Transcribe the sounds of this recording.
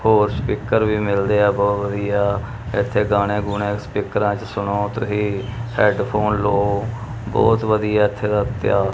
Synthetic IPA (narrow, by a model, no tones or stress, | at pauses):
hoːɾspiːkəɾʋiːmɪld̪eːɛːbɔːt̪ʋəd̪iːaː | ɪt̪ʰːeːɡaːɽ̃eːɡʊnẽːspiːkəɾãːt͡ʃsʊɽõːt̪əɦiːhɛːɖpʰoːnloː | bɔ̰ːt̪ʋəd̪ijaːɪt̪ʰːeːd̪aːt̪ɪjaː